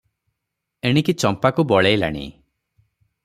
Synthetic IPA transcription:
eɽ̃ikit͡ʃɔmpakubɔɭejla̰ɽ̃ḭ

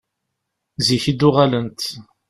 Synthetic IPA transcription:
ziçid̪ʊʁalənt̪

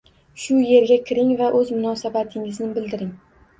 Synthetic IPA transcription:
ʃʊje̞ɾɡʲakʲʰɪɾɪŋvaʔɵzmʊnɒsabat̪ʰɪŋɪznɪbɪld̪ɪɾɪŋ

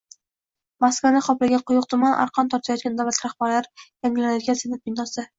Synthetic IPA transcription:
maskvanɪχɒplɪɡʲaqʰʊjʊq̚t̪ʰʊmanʔa̰ɾqʰɑnt̪ʰɒɾt̪ʰajɒt̪ɡʲand̪awlat̪ɾaχbaɾlaɾjaŋɡʲɪlanajd̪ɪɡʲasenɪp̚bɪnːɒsɪ

